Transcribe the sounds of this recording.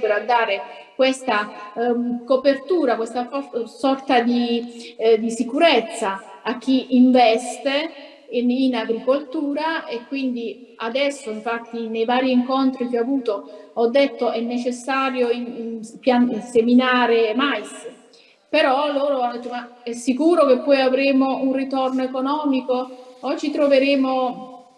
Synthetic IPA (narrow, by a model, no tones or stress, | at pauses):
peɾad̪ːaːɾe | kwest̪a | kopert̪uːɾakwest̪aɔsɔrt̪ad̪i | d̪isikuɾet̪sːaː | k̟ːiʔiɱvɛst̪e | inaɡɾikolt̪uːɾaekːwind̪i | ad̪ɛsːoiɱfat̪ːinejvaːɾiːŋkont̪ɾikeavuːt̪oɔd̪ːet̪ːoɛnːet͡ʃesːaːɾjoipjanseminaːɾemajs | peɾɔloːɾoanːod̪ɛt̪ːomaɛsːikuːɾokepːɔjavɾeːmounrit̪ɔrnoekonɔːmikoɔt͡ʃːit̪ɾoveɾeːmo